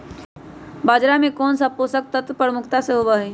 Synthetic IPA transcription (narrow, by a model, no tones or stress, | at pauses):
baːd͡ʒɾamẽkɔːnsaposək̚t̪ət̪pɾəmʊkʰt̪aseɦobaɦɛ